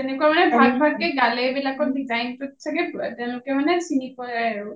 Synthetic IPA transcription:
ɛnekuamanebʱaɡbʱaɡkeɡalebilakɔɖid͡ʒajnpot̪t͡ɕʰeket̪ɛlokemanesinikoae

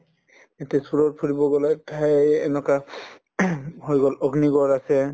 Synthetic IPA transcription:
ɛtɛsuɹɔɹpʰuɹibɔɡɔlatʰajɛnɔka | ɦojɡɔlɔɡniɡɔɹasɛ

